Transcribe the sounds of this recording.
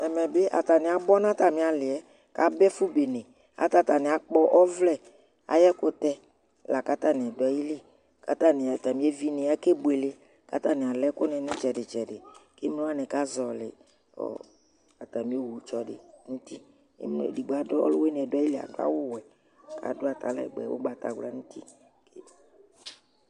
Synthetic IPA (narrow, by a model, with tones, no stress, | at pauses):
ɛ˨mɛ˨be˦ʔa̰˨t̪a˨nɪ̃˨a˨bɔ˦nã˦t̪a˨mɪ̃˨˦a˨lɪ˨ɛ˦ | ka˨˦bɛ˦fu˦be˨nɛ̃˨ | a̰˨t̪a˦t̪a˨nɪ̃˨a˨k͡pɔ˦ʔɔ˦vlɛ˦˨ | a̰˨jɛ˦kʊ˦t̪ɛ˦ | la˨ka˦t̪a˦nɪ̃˨ɛ˨dɔ˨˦ji˦li˦ | ka̰˨t̪a˦nɪ̃˨a˨t̪a˨mĩ˦e˦vi˦nɪ̃˨a˦ke˦bʊ˨e˨le˦ | ka̰˦t̪a˦nɪ̃˨a˨lɛ˦kʊ˦nɛ̃˨nʊ̃˦t͡ʃɛ˨dɪ˨t͡ʃɛ˨dɪ˨ke˦m˦le˦a˦nɪ˨ka˦zɔ˨lɪ̰˨ | ɔ̰˨ | a˨t̪a˨mĩ˦o˦wu˨t͡ʃɔ˨dɪ̰˨nũ˦tḭ˦˨ | mn̰˦˨di˨ɡ͡ba˨˦dɔ˦ɔ̰˦lʊ˦we˦n˨ɛ˨dʊ˦a˦ji˦lɪ˦˨a̰˨ɡ͡ba̰˦wʊ˦wɛ˨ | kʰa̰˨dʊ˦a˨t̪a˨lɛ̰˨ɡ͡bɛ̰˨wo̰˦ɡ͡ba˨t̪a̰˨ɡla˦nũ˦t̪i˦ | k